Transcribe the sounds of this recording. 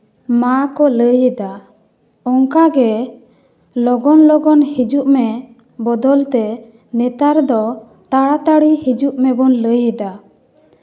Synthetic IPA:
makɔləjɛd̪a | ɔŋkaɡɛ | lɔɡɔnlɔɡɔnhid͡ʒuʔmɛ | bɔd̪ɔlt̪ɛ | nɛt̪aɾd̪ɔ | t̪aɽat̪aɽihid͡ʒuʔmɛbɔnləjɛd̪a

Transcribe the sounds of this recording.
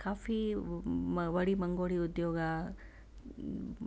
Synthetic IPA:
kaːfi | ʋɐɽimɐŋɡoːɽiud̪joːɡɐ

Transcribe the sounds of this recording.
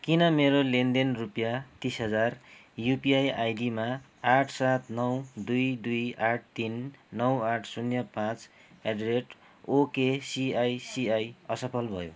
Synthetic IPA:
kinʌmeɾolend̪enrupjat̪isɦʌd͡zar | jupiajajdima | aʈʰsat̪ʰnʌwd̪ujd̪ujaʈ̚ʰt̪inːʌwaʈʰsunjʌpãt͡s | eɖreʈ | okesiajsiajʌsʌpʰʌlbʱʌ̰jo̰

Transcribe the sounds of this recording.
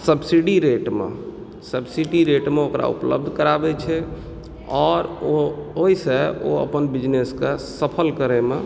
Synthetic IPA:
səbsiɖiɾeʈmḛ | səbsiɖiɾeʈmeokɾa̰ṵplə̰b̚d̪ʱkəɾabɛt͡ʃʰɛ | ɔːɾooɦiseo̰ə̰pənbid͡ʒneskesəpʰəlkəɾɛme

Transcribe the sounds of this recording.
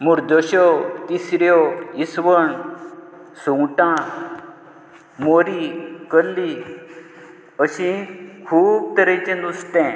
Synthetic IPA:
muɾd̪əɕɔt̪isɾjɔisʋəɳ | suŋʈã | moɾikəlːi | əɕĩkʰuːb̚t̪əɾəjt͡ɕẽnust̪ɛ̃

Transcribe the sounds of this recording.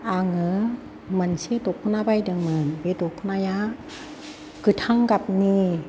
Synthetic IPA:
ʔaŋə | mansit̪okʰːunabajdɯŋmɯnbet̪okʰːunajaʔ | kɯt̪ʰaŋkap̚ni

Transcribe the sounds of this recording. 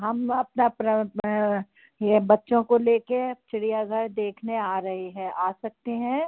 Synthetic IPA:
ɦɐmɐpnapɾ | ebɐtːʃõkoleːket͡ʃɪɽijaɡʱɐɾd̪eːkʰneaːɾɐɦeɦɛ̃aːsɐk̚t̪eɦɛ̃ː

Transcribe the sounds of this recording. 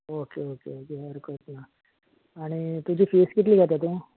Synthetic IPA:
okeokḛokeɦəɾkət̪na | aɽ̃it̪ud͡ʑʱiːfeskit̪liːɡʱəɾt̪at̪̬ũ

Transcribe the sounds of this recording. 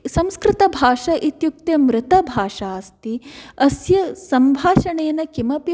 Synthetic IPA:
sɐmskɾɪt̪ɐbʱaːʂɐʔit̪juk̚t̪jɐmɾɪt̪ɐbʱaːʂaːst̪iɐsjɐsɐmbʱaːʃɐɳeːnɐkimɐpi

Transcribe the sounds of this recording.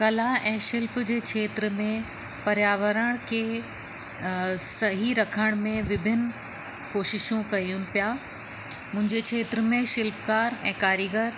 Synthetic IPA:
kɐlaʔɛ̃ːʃɪlpd͡ʑeːkʰeːt̪ɾəmẽ | pɐɾjaːʋəɾəɽ̃kʰeː | sɐɦiɾɐkʰəɽ̃mẽʋɪbʱɪn | koːʃɪʃũkɐiunɪ̆pijaː | mʊ̃ɦɪ̃ɲd͡ʑekʰeːt̪ɾəmẽʃɪlpkaːɾɛ̰̃ːkaːɾiɡəɾ

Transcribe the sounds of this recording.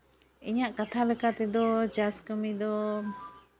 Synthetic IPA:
iɲaʔkat̪ʰaləkat̪id̪ɔd͡ʒaskəmid̪ɔ

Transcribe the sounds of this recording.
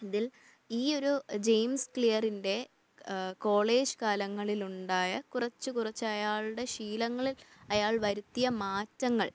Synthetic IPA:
iðil | iːo̞ɾud͡ʑejmskɭijɐrinde̞ | ko̞ːɭe̞ːd͡ʑɨkaːlɐŋːɐɭiluɳɖaːjɐkurɐt͡ɕːɨkurɐt͡ɕːɐjaːɭɽe̞ɕiːlɐŋːɐɭilɐjaːɭʋɐɾut̪ːijɐmaːtːɐŋːɐ̰ɭ

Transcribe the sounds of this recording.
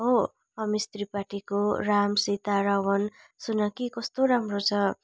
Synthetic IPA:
o | ʌmist̪ripaʈikoɾamsit̪aɾawʌn | sunʌkikʌst̪oɾamrot͡sʰʌ

